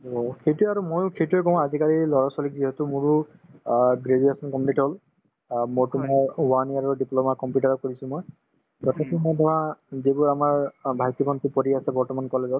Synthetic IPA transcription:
okʰejtuaɹumojkʰejtuekɔ̃adʱikaɹilɔɹasɔlik̚ziɦetumʊ̃ɹu | ɡɹed͡ʒuesɔnkɔmniʈɦol | mojtumɔjwaniaɹuɖiplomakɔmpjuʈaɹɔkoɹisʊ̃moj | ɡɔtʰɛkimojtɔɦazebʊɹamaɹbʱajt̪ibɔnt̪ipɔɾiasɛbɔɹtɔmankɔlezɔt

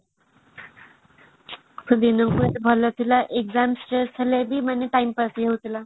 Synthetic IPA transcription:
sʰəd̪inəŋkut̪bʱɔlat̪ʰilaʔekzamsʈɾesʰalabiːmənːeʈaimpasɦewt̪la

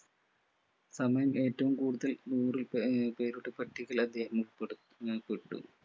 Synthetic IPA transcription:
sɐmɐjɐme̞ːtːɐʋumkuːɽuðɐlnuːrilpeːɾuʈːɨpɐʈʰːiɣɐlɐd̪ːe̞ːhɐmup | peʈːṵ

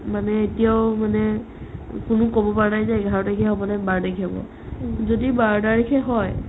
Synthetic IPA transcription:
manɛetijawmanɛ | kʊnʊkobɔpaɹnajzajɡʱaɹɔtakʰɛɦɔbɔnɛbaɹdakʰabɔ̰ | zodibaɹdaɹikʰɛɦɔj

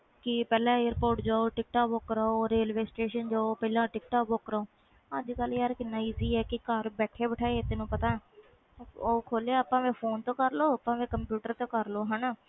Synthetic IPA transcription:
kɪpɛːlãːeːɾpoːɾʈd͡ʒaːoːʈɪk̚ʈaːoːkɾaoːɾeːlʋeːsʈeːʃənd͡ʒaːopɛːlãːʈɪk̚ʈaːkoːkɾoː | əd͡ʒkəljaːɾkɪnːãːiːziːɛːkɪkəɾbɛːʈʰeːbəʈʰaːeːt̪enũːpət̪ãːɛː | oːkʰoːleːaːpãːʋẽːpʰoːnt̪õːkəɾloːəpãːʋẽːkəmpjuːʈəɾt̪õːkəɾloːɦənaː

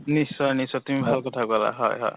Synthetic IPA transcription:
nisɔnisɔt̪imibʱalkɔt̪ʰakuala̰ɦʌ̰jɦʌ̰j

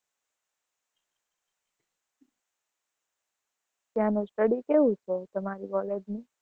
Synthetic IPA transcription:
t̪jãnesʈəɽikeʋũt͡ʃʰet̪əmaɾiʋɔleɖni

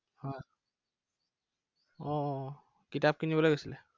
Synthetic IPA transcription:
hɔj | ɔ | kitab̚kinibɔlojɡosilɛ

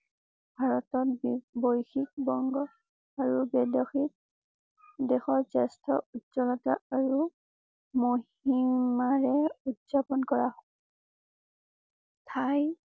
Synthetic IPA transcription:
bʱaɹɔtɔt̚bojxik̚bɔŋɡɔ | aɹubɛdɔxit̚ | dɛxɔɹsɛstʰɔutzɔlɔta̰aɹu | moɦ | imaɹɛutzapɔnkɔɹaɦɔ | tʰaj

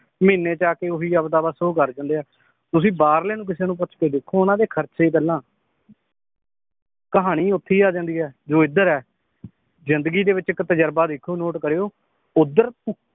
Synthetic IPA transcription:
mɪːnːeːt͡ʃaːkeːoɦiːəbd̪aːbaːsoːkəɾd͡ʒãːnd̪eːaː | t̪ʊsĩːbaːɾleːnũːk̬ɪseːnũːp̬ʊːt͡ʃʰkeːd̪eːkʰːoːʊnãːd̪eːkʰəɾt͡ʃeːkəlːãː | kəɦaːɽ̃iːʊt̪ʰːiːaːd͡ʒãːnd̪iːɛːd͡ʒoːɪd̪əɾɛː | zɪnd̪əɡiːd̪eːʋɪt͡ʃɪkt̪əd͡ʒəɾbaːd̪ekʰːoːnoːʈkəɾeːoː | ʊd̪əɾ

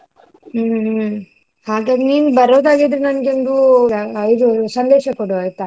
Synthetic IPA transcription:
haːɡaːd̪eniːnbɐɾoːd̪aːɡid̪ɾenɐnɡend̪u | id̪usɐnd̪eːʃɐkoɽuajt̪a

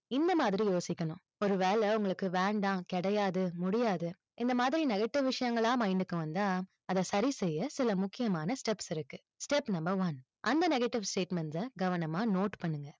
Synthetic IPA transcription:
ɪnd̪ɐmaːðɪɾijoːsɪkːɐɳʊ̃ | ɔɾɯʋeːɭɛʊŋɡɐɭɯkːɯʋɛːɳɖ̪ãːkɛɽɐjaːðɯmʊɽɪjaːðɯ | ɪnd̪ɐmaːðɪɾinɛɣɐʈːɪʋʋɪʂɐjɐŋɡɐɭãːmɐɪɳɖɯkːɯʋɐnd̪aː | ɐðɐsɐɾisɛjːɐsɪlɐmʊkːɪjɐmaːnɐsʈɛpsɪɾɯkːɯ | sʈɛpnɐmbɐɾʋɐn | ʔɐnd̪ɐnɛɣɐʈːɪʋsʈeːʈmɛɳsɐɡɐʋɐnɐmaːnoːʈpɐɳːɯŋɡɐ

